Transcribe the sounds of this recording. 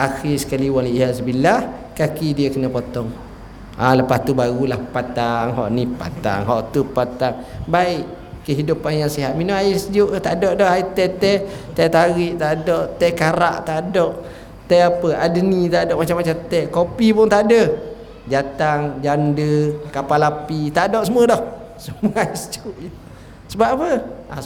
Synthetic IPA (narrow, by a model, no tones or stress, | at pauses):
ʔaxisə̥kaliwanlijasəbilahkakidiəkənəpot̪ɔŋ | ʔaləpast̪ubaɣulahpat̪aŋɦɔ̰ʔnipa̰t̪a̰ŋɦɔʔt̪upat̪aŋbaɪʔ | kəɦidupanjaŋsiɦat̪̚minɔaisd͡ʒuʔt̪aʔdɔʔdɔhait̪ɛt̪ɛt̪ɛt̪aɣiʔt̪adɔʔt̪ɛkaɾa̰ʔt̪adɔʔ | t̪ɛapəadənit̪adɔʔmat͡ʃamːat͡ʃamt̪ɛkopipʊnt̪aʔdə | d͡ʒat̪aŋd͡ʒandəkapalapit̪aʔdɔʔsəmuədɔh | səmuəaisd͡ʒuʔjə | səbapəa̰